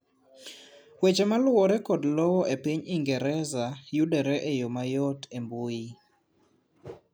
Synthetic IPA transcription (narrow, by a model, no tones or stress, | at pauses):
wet͡ʃɛmalwɔɾɛkɔdlɔwɔʔepiɲiŋɡɛɾɛzajudɛɾɛʔejomajɔtemboji